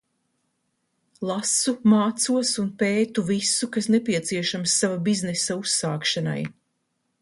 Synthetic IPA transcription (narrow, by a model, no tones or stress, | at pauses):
lˠasumaːt̪suɔsunpeːt̪uvisukasnepiɛt̪siɛʃamsːavabiznesausːaːkʃana̰j